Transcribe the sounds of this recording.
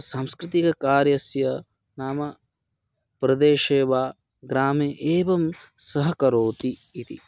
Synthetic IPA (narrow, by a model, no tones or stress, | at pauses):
saːmskɾɪt̪ikɐkaːɾjɐsjɐ | naːmɐ | pɾɐd̪eːʃeːʋaː | ɡɾaːmeʔeːʋɐmsɐɦɐkɐɾoːt̪iːt̪ḭ